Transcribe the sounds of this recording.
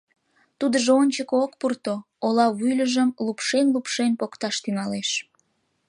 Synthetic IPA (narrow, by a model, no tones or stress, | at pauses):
t̪ud̪əʒoonʲt͡ɕəkokpurt̪o | olɑβujlʲəʒəmlupʃenlupʃenpokt̪ɑʃt̪yŋɑleʃ